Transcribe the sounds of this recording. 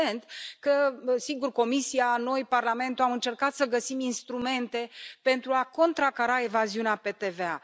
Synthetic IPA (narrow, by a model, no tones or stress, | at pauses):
ent̪kəsiɡurko̞misiano̞jparlame̞nt̪uamɨnt͡ʃe̞rkat̪səɡəsiminst̪ɾume̞nt̪e̞pe̞nt̪ɾuako̞nt̪ɾakaɾae̞vaziuneape̞t̪e̞vea̰